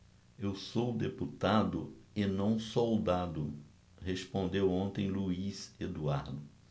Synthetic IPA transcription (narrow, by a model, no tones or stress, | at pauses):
ewsowd̪eput̪ad̪ʊɪnɐ̃w̃sowd̪ad̪ʊ | hespõnd̪ewõnt̪ẽj̃luized̪uaɾd̪ʊ